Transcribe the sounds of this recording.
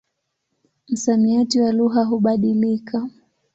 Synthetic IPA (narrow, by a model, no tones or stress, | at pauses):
m̩samiatiwaluɦaɦuɓaɗilikʰa